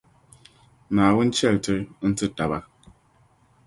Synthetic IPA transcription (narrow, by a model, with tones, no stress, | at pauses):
naː˨wu˦n̩˦t͡ʃɛ˦˨ltɨ˦n̩˦tɨ˦ta˨ba˦